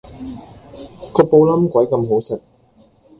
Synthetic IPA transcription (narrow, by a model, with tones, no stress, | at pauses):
kɔː˧po˧wlɐ˥mkʷɐ˨˥jkɐ˧mɦo˨˥wsɪ˨k̚